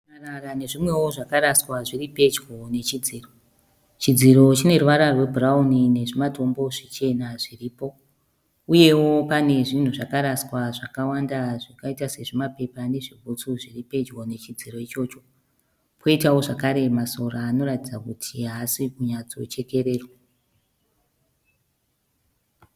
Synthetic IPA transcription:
rarane̞ʐimwe̞wo̞ʐakaɾaswaʐiɾipe̞d͡ʒɡo̞ne̞t͡ʃid͡ziːro̞ | t͡ʃid͡ziɾo̞t͡ʃine̞ruʋaɾarwe̞bʱuraunine̞ʐimato̞mbo̞ʐit͡ʃe̞naʐiriːpo̞ | uje̞wo̞pane̞ʐin̤uʐakaɾaswaʐakawandaʐikaitase̞ʐimape̞pane̞ʐibʱut͡suʐiripe̞d͡ʒwone̞t͡ʃid͡ziro̞it͡ʃo̞t͡ʃo̞ | pʰo̞itao̞ʐakaɾe̞maso̞raːno̞ɾatid͡zakutʰiɦasikuɲat͡so̞̰t͡ʃe̞ke̞ɾe̞ːrwo

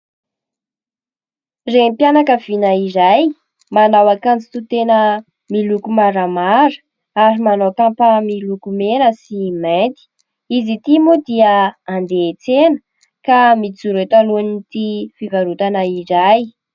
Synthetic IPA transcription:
rempjanakəv̥inaizaj | manawakant͡si̥t̪ut̪enə | milukumaɾəmaɾə̥ | aɾimanowt̪ampəmilukumenəsiment̪i̥ | izit̪imod̪iəand̪et͡senə | kamit͡suɾet̪aluanit̪ifivaɾut̪anaizaj

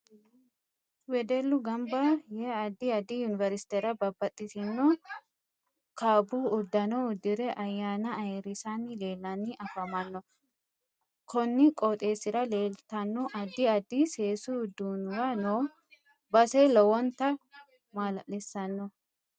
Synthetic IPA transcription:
wɛd̪ɛlːʊɡɐmbɐjɛɐd̪ːɪɐd̪ɪjʊnɪvɛɾɪsɪ̥t̪ɛɾɐbɐbːɐt̪ʼːɪsɪnːɔ | kaːbuːʊd̪ːɐnɔʊd̪ːɪɾɛʔɐjːaːnɐɐɛɾɪsanːɪleːlːɐnːɪʔɐfɐmɐnːɔ | kʰɔnːɪkʼɔt̪ʼe̞ːsɪɾɐle̞ːlt̪ɐnːɔʔɐd̪ːɪɐd̪ːise̞ːsʊʊd̪ːuːnwanoː | bɐselɔwɔnt̪ɐ | maːlɐʔɛsːɐnːɔ

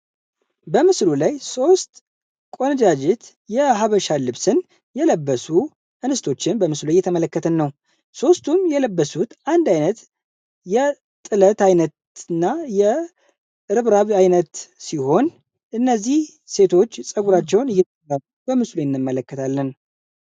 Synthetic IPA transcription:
bəmɨslulajso̞st̪ʼ | kʼo̞nɨd͡ʒad͡ʒɪt̪ | jɛɦaβəʃalɨβsɨn | jɛləbːəsu | ʔɨnɨst̪ʰo̞t͡ʃːɪnbəmɨslujːɛt̪ʰəmələkːət̪ʰənːəw | so̞st̪ʰumjɛləbːəsut̪and̪ajnət̪ | jɛ | t̪ʼɨlət̪ajnət̪ | ɨnːajɛ | ɨɾɨβɾaβajnət̪siho̞n | ʔɨnːəzːih | se̞t̪ʰo̞t͡ʃːsʼəɡuɾat͡ʃːɛwnɨjːɛt̪ʰəalubəmɨslujɪnːɨmːələkːət̪ʰalːən

